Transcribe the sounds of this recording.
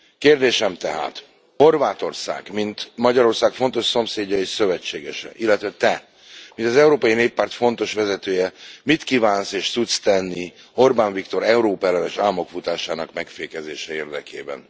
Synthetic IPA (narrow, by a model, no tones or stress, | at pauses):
keːrd̪eːʃɛmt̪ɛɦa̰ːt̪ | ho̞rvaːt̪o̞rsa̰ːɡmint̪mɒɟɒɾo̞rsaːkfo̞nt̪o̞ʃso̞mseːɟːɒeːʃsø̞vɛt͡ʃːeːɡɛʃɛ̰ʔilːɛt̪ʋɛt̪ɛ | mint̪ɒzɛuɾoːpɒjineːpːaːrt̪fo̞n̪t̪o̞ʃʋɛzɛt̪øːjɛmit̪kiːvaːnseːʃt̪sut̪st̪ɛnːi | ho̞rbaːɱvikt̪o̞ɾɛuɾoːpɛlɛnɛʃaːmo̞kfut̪aːʃaːnɒkmɛkfeːkɛzeːʃɛeːrd̪ɛkʰḛːbɛ̰n